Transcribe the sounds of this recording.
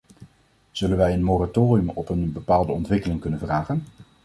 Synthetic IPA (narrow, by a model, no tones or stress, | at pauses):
z̥ɵlənʋɛjənmoːratoːriəmɔpənbəpaːlˠdəɔntʋɪkəlɪŋkɵnənvraːχən